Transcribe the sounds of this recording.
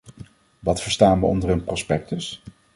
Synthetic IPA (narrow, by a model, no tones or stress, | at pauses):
ʋɑtfəɹstaːnʋəɔ̰ndərənprɔspɛk̚təs